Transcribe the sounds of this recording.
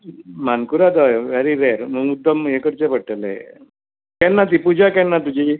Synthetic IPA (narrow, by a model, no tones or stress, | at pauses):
mankuɾad̪ɔjʋeɾiɾeɾməud̪əmekəɾt͡ɕepəɽʈəle | kɛnːat̪̬ipud͡ʑʱakɛnːat̪ud͡ʑʱi